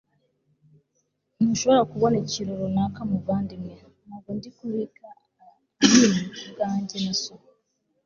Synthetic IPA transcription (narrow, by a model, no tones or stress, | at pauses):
nuʃoβoɾakuβo̞neciɾoɾonakamuβaːndimwe | naɡondikuɾikaː | niniuɡaːɲɟenaso